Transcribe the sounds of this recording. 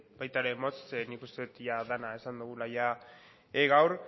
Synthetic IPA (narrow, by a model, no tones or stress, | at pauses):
bajt̪aɾe̞mot͡snikust̪eut̪jaðanae̞sand̪uɣ̞ulaja | eɣawɾ